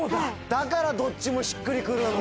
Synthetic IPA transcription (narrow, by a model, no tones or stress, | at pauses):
d̪akaɾad̪o̞t͡ɕːimo̞ɕi̥kːɯɾʲikɯɾɯ